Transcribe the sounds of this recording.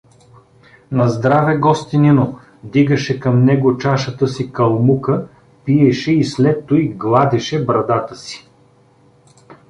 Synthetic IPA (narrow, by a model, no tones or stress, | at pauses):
nɐzd̪ɾavɛɡɔst̪inino | d̪iɡɐʃɛkɐmnɛɡot͡ʃaʃɐt̪əsikɐlˠmukə | piɛʃɛislɛt̪ːoiɡlˠad̪ɛʃɛbɾɐd̪at̪əsi̥